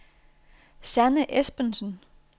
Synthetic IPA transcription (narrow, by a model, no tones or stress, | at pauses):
sænəʔesb̥ənsn